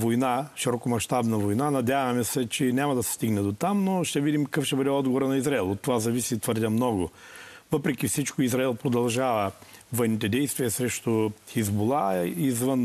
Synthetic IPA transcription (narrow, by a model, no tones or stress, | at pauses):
vojnaʃiɾɔkomɐʃt̪abnɐvojnanɐd̪ʲjavɐmɛsɛt͡ʃɛnʲamɐd̪ɐsɛ̥st̪iɡnɛd̪ot̪amnoʃt̪ɛvid̪imkɐkəfʃt̪ɛbəd̪ɛɔd̪ɡovoɾənɐizɾaɛlˠot̪ːovazɐvisit̪vəɾd̪ʲəmnɔɡʊvəpɾɛk̟ʲifsit͡ʃkoizɾaɛlˠpɾod̪ɐlˠʒavə | vɔjnit̪ɛd̪ɛjst̪vʲiəsɾɛʃt̪ʊxizbolˠaizvən